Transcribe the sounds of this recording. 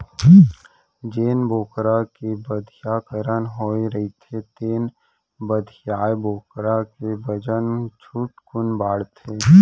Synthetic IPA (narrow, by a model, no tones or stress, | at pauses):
d͡ʒeːnboːkɾakebəd̪ʱjakəɾənɦoːeɾəɦit̪ʰet̪eːn | bəd̪ʱjaːeboːkɾakebəd͡ʒənt͡ʃʰuːʈkʊnbaːɽt̪ʰeː